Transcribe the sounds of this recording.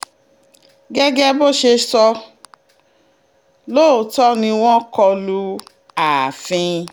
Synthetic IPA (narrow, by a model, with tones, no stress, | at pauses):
ɡɛ˦ɡɛ˦bo˦ʃe˧sɔ˧ | lo˦˨tɔ˦nĩ˧w̃ɔ̃˦kɔ˧lu˧ | a˨fĩ˧